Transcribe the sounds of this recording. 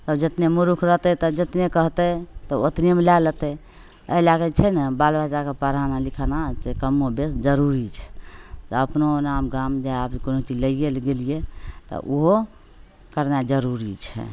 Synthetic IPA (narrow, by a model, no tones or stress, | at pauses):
t̪əbd͡ʒət̪nemuɾukʰɾəɦt̪ɛt̪ɔd͡ʒət̪nekəɦt̪ɛt̪ɔot̪nemelalət̪ɛ | əlaɡət͡ʃʰɛnəbalbat͡ʃakepəɾanalikʰənasekəmːobesd͡ʒəɾuɾit͡ʃʰɛ̥t̪ɔəpnonamɡamd͡ʒaapikonot͡ʃiləɡelɡelijet̪ɔ̰ʔuɦo | kəɾnad͡ʒəɾuɾit͡ʃʰɛ̰